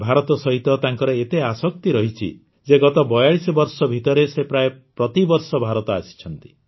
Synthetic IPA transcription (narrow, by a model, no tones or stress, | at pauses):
bʱaɾɔt̪ɔsɔɦit̪ɔt̪aŋkɔɾɔet̪easɔk̚t̪iɾɔɦit͡ʃʰḭ | d͡ʒeɡɔt̪ɔbɔjaɽisɔbɔɾsɔbʱit̪ɔɾesepɾajepɾɔt̪ibɔɾsɔbʱaɾɔt̪ɔasi̥t͡ʃʰɔnt̪i̥